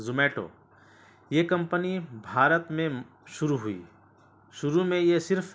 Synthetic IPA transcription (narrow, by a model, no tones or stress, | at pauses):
zʊmeːʈo̰ː | jeːkɐ̃mpənibʱaːɾət̪mẽ | ʃʊɾuɦʊḭː | ʃʊɾumẽjesɪɾpʰ